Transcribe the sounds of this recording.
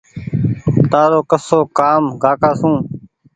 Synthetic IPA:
t̪aːɾoːkəsoːkaːmɡaːkaːsũː

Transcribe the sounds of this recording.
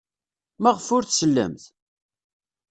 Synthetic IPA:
mæʁəfʊɾθsəlːæ̰mθ

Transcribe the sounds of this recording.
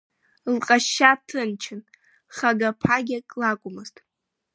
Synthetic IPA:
lqʼaʃːatʰɨnt͡ʃʰɪn | χaɡapʰaɡʲakʼlakʷʼʊmɨztʼ

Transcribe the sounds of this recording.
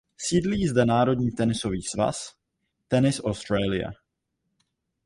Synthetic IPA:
siːdliːzdɛnaːɾo̞dɲiːt̪ɛnɪso̞viːsva̰s | t̪ɛnɪsʔowst̪ɾɛːlɪja̰

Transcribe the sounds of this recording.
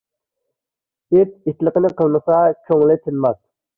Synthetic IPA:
ep̚it̪lˠəqənɪqʰəlˠməsɑt͡ʃʰoŋlɪt̪ʰɪnmɑt̪̚

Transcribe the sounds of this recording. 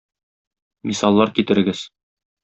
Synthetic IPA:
misɑlˠːɑɾkit̪ɘ̆ɾɘ̆ɡɘz̥

